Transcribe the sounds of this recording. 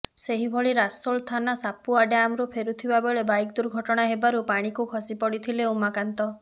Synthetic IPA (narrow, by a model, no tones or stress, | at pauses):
seɦibʱɔɭiɾasoɭt̪ʰanasapuaɖeamɾupʰeɾut̪ʰibabeɭebajk̚d̪uɾɡʱɔʈɔɽ̃aɦebaɾupaɽ̃ikukʰɔsipɔɽit̪ʰileumakant̪ɔ